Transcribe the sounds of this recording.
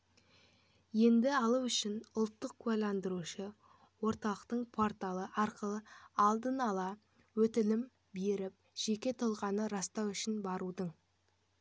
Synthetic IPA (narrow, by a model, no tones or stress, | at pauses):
je̞nd̪ɪɑlˠuʏʃɪnʊlˠt̪ːəq̚kʰʉalɑnd̪əɾuʃə | wo̞ɾt̪ɑlˠəqt̪əɴpʰo̞ɾt̪ɑlˠəʔɑɾqəlˠəɑlˠd̪ənɑlˠɑ | wɵt̪ɪlɪm | be̞ɾɪp̚ʒ̥e̞kʲe̞t̪ʰolˠʁɑnəɾɑst̪ɑwʏʃɪnbɑɾud̪əɴ